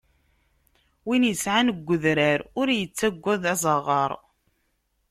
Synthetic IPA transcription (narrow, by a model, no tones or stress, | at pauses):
winjəsʕanəɡʷːʊðɾæɾʊɾjət͡sːæɡʷːæðæzˤɑʁɑɾˤ